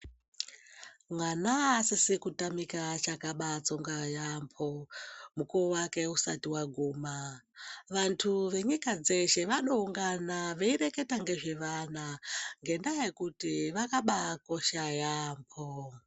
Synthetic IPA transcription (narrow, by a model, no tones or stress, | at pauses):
mwanaːsisikutamikat͡ʃakaɓat͡so̞ŋɡajampʰomukuwake̞usatiwaɡʱuːma | ʋantʰuʋe̞ɲikad͡ze̞ʃe̞ʋaɗouŋɡanaʋeiɾe̞ke̞taŋɡe̞ʐe̞ʋanaŋɡe̞ndajekutiʋakaɓako̞ʃajaːmpʰo